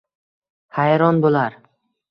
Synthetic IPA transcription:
hajɾɒnbolaɾ

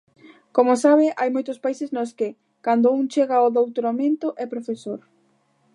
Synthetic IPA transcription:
komosaβ̞ɪʔajmojt̪ʊspaiseznoskɪ | kand̪ʊuŋt͡ʃeɣaoðowt̪ɾamẽnt̪ʊʔɛpɾofesoɾ

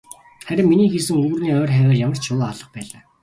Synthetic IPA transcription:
χæɾʲɪ̆mːiniːxisɘ̆ŋɵːɣrniːœːrχæːwæːrjamə̆r̥t͡ɕʰʊːaɮə̆q̚pæːɮaː

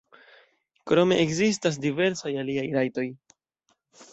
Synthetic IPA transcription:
kɾo̞me̞ʔekzis̬tas̬dive̞ɾsajaliajɾajto̞j

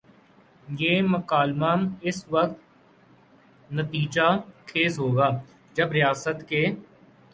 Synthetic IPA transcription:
jeːmɐkaːlmaːmɪsʋəkt̪̚ | nɐt̪iːd͡ʒakʰeːzɦoːɡaː | d͡ʒɐbɾɪjaːsət̪ke

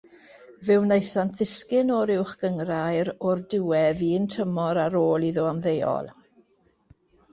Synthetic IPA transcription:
vɪwnejθantðɪskɪnɔɾɪwχɡ̥əŋrajɾɔrdɪwɛðiːntʰəmɔɾaɾoːlˠiðʊamðejɔ̰lˠ

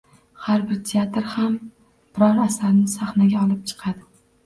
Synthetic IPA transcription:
haɾbɪɾt̪ʰeat̪ɾham | b̥ɪɾɒɾasaɾnɪsaχnaɡʲaɒlˠɪp̚t͡ʃʰɨ̥qʰɑd̪ɪ

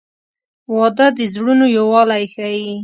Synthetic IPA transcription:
wɑd̪ad̪əzɽunojowɑlajxaji

